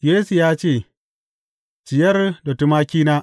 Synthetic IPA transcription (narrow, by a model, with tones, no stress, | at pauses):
jeː˦su˨jaː˦t͡ʃeː˦˨ | t͡ʃɪ˨jɐ˦rdo˨tu˦maː˦kʲiː˦naː˦